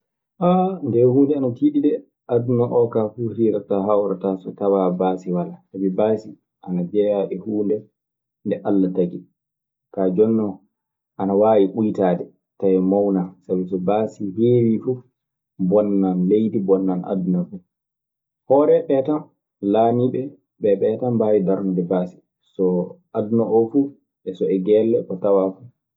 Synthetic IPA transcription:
ʔandɛhuːndɛanatiːɗiɗɛ | ʔadunaʔɔkafuɾiːɾataɦawɾatasɔtawabaːsiwalasabibasi | ʔanad͡ʒɛjaɗɛhuːndɛ | ndɛʔalːataɡi | kad͡ʒɔnːɔ | ʔanawaːjiɓujtaːdɛ | tajɛmawnasabisɔbasiheːɾifu | bɔnːanlejdibɔnːanʔa̰dunafu | hɔːɾɛɓɛtan | laːniɓɛ | ɓɛɓɛtambaːwidaɾnadɛbaːsi̥ | sɔʔadunaʔɔfu | ɛsɔɛɡɛlːɛkɔtawafu

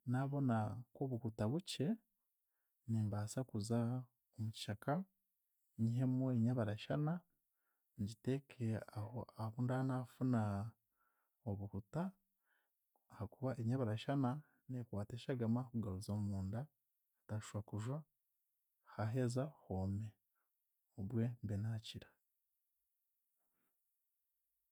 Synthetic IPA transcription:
naβo̞nakoβukutaβuce̞ | niːmbasakuza | omuci̥ʃaka | ɲiɦemoeɲaβaɾaʃana | ɲɟitekʰeaoaβundanafuna | oβukuta | hakuβaʔeɲaβaɾaʃana | nekwaːteːʃaɡamakuɡaɾuzomuːnda | taʃwakuʒwa | haɦe̞zahome | oβwe̞mbenaːciɾa

